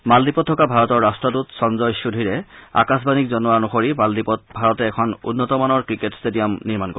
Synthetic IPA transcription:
maldipɔtʰːɔkabʱaɹɔtɔɹːastɹɔtutsɔnzɔjsudʱiɹɛa̰kasbanik̚zɔnɔwanɔxoɹimaldipɔt̚bʱaɹɔtɛːkʰɔnṵnːɔtɔmanɔɹkɹiketstedijamniɹmanko

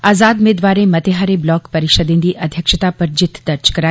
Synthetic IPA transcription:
aːzaːd̪meːd̪ʋaːɾẽmɐt̪eɦaːɾeblɔːkpɐɾɪʃəd̪ẽnd̪iːʔɐd̪ʱjəkʃət̪apəɾd͡ʒɪt̪ʰːd̪ɐɾt͡ʃkɐɾa

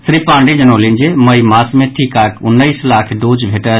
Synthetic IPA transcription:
sɾipãɳɖid͡ʒənəlind͡ʒeməjmasmeʈʰikakʊnːəɪslakʰd̪od͡ʒbʱeʈə

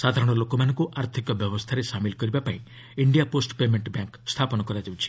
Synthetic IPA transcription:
sad̪ʱaɾɔɽ̃ɔlokɔmanɔ̃ŋkuʔaɾt̪ʰikɔbjɔbɔst̪ʰaɾesamilkɔɾibapaĩ | iɳɖijaposʈpemeɳʈbjaŋkst̪ʰapɔnɔkɔɾad͡ʒawt͡ʃʰi̥

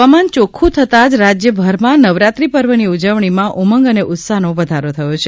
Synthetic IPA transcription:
amant͡ʃokʰũt̪ʰət̪ad͡ʒɾad͡ʒjəbʱəɾmãnəʋɾat̪ɾipəɾʋəniud͡ʒəʋɳimãʔuməŋɡəneʔʊt̪saɦnoʋəd̪ʱaɾot̪ʰəjot͡ʃʰe

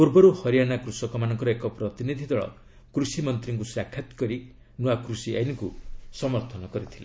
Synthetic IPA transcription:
puɾbɔɾuhʌɾijanakɾusɔkɔmanʌŋkɔɾʌekɔpɾɔt̪inid̪ʱid̪ɔɭɔ̰ | kɾusimʌnt̪ɾiŋkusakʰːat̪kɔɾi | nuwakɾusia̰jnikusɔmɔɾt̪ʰɔnɔkɔɾit̪ʰila̰

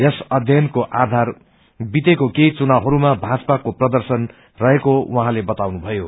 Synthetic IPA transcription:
jʌsʌd̪ʱjʌnkoʔad̪ʱar | bit̪ekokejt͡sunawɦʌɾumabʱad͡zpakoprʌd̪ʌrsʌn | rʌɦekowʌɦãlebʌt̪awnubʱʌjo

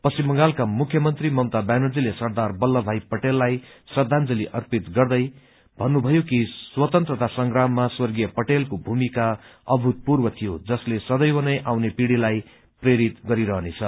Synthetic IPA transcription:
pʌsimːʌŋɡalkamukʰjʌmʌnt̪rimʌwt̪abanud͡zilesʌrd̪arbʌlːʌbʱajpʌʈelːajsʌrd̪ʱand͡zʌliʔʌrpit̪ɡʌrd̪ʌj | bʱʌnːubʱʌjokiswʌt̪ʌnt̪rʌt̪asʌŋɡramːaswʌrɡijʌpʌʈelkobʱumikaʌbʱut̪̚purwʌt̪ʰijod͡zʌslesʌd̪ʌjwʌnʌjʔawnepiɽilaj | preɾit̪ɡʌɾiɾʌɦnet͡sʰʌ

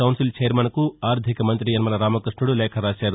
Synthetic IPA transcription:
ɐwnsilt͡ʃɐjɐɾmɐnɐkuaːɾd̪ʱikɐmɐnt̪ɾijɐnmɐnɐɾaːmɐkɾiʂɳuɽulɛːkʰɐɾaːt͡ʃaːɾu

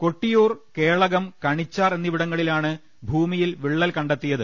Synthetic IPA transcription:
ko̞ʈːijoːrke̞ːɭɐɣɐmkɐɳit͡ɕːaːrenːiʋiɽɐŋːɐɭilaːɳɨ | bʱuːmijilʋiɭːɐlkɐɳɖɐt̪ːijɐðɨ

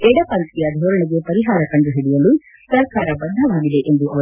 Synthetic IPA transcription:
eɖɐpɐnt̪ijɐd̪ʱoːɾɐɳiɡepɐɾiɦaːɾɐkɐɳɖuɦiɽijɐlu | sɐɾkaːɾɐbɐnd̪ʱɐʋaːɡid̪eʔend̪uɐʋɐ

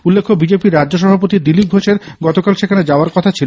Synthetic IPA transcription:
ulːekʰːobid͡ʑepiɾːad͡ʑʑoʃ̬ɔbʱapot̪id̪ilip̚ɡʱoʃeɾɡɔt̪okalʃekʰaned͡ʑaoaɾkɔt̪ʰat͡ɕʰilo

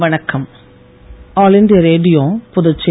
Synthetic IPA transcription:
ʋɐɳɐkːɐm | aːlɪnɖijɐɾeːɖɪjoːpʊðɐt͡ʃːe

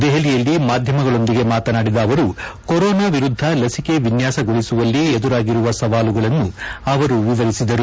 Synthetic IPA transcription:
d̪ɛɦɐlijɐlːimaːd̪ʱjɐmɐɡɐɭo̞nd̪iɡe̞maːt̪ɐnaːɽid̪ɐːʋɐɾukoɾɔːnaːʋiɾud̪ʱːɐlɐsike̞ʋinjaːsɐɡoɭisuʋɐlːied̪uɾaːɡiɾuʋɐsɐʋaːluɡɐɭɐnːuɐʋɐɾuʋiʋɐɾisid̪ɐɾu

